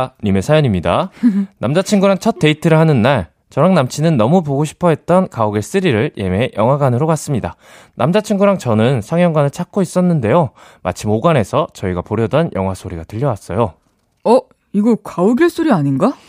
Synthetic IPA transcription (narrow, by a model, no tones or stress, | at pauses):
nime̞sʰajʌɲimɲida̰namd͡ʑat͡ɕʰiŋɡuɾaŋt͡ɕʰʌt̚t͈e̞itʰɯɾɯɭhanɯnːaɭ | t͡ɕʌɾaŋnamt͡ɕʰinɯnːʌmup̬oɡoɕʰi̥pʰʌɦe̞t̚t͈ʌnkaoɡe̞s͈ɯɾiɾɯɭjʔe̞̰me̞jʌŋɦwaɡanɯɾokas͈ɯmɲida̰ | nʔamd͡ʑat͡ɕʰiŋɡuɾaŋt͡ɕʌnɯnsʰaŋjʌŋɡwanɯɭt͡ɕʰak̚k͈ois͈ʌnːɯnde̞joma̰t͡ɕʰimoɡane̞sʰʌt͡ɕʌiɡapoɾjʌdʌnjʔʌ̰ŋɦwasʰoɾiɡatɯʎːʌwas͈ʌjo | ʌ | iɡʌkauɡiɭs͈ʰoɾiaɲinɡa